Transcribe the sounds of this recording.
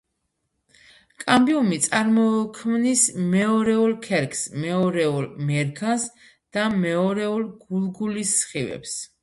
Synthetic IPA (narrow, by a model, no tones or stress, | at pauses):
kʼambiɔmit̪sʼaɾmɔkʰmnismɛɔɾɛulˠkʰɛɾkʰʼsmɛɔɾɛulmɛɾkʰans | d̪̥amɛɔɾɛulˠɡ̥ulˠɡulisːχivɛ̰ps